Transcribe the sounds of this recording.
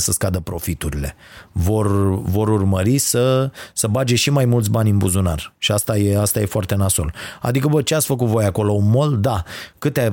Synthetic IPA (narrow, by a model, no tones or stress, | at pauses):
səskad̪əpɾo̞fit̪uɾile̞vo̞rvo̞ɾurməɾisəsəbad͡ʒe̞ʃimajmult̪s̬ʲbanʲɨnbuzuna̰rʃiast̪aje̞ast̪aje̞foart̪e̞naso̞̰la̰d̪ikəbət͡ʃeat̪sʲfək̬ut̪vo̞jako̞lo̞unmo̞ld̪akɨt̪ea